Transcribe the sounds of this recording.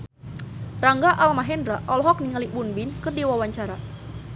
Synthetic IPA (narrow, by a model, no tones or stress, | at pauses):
raŋɡaʔalmaɦɛndɾaʔɔlɦɔk̚niŋalibunbinkɨrdiwawaɲt͡ʃaɾa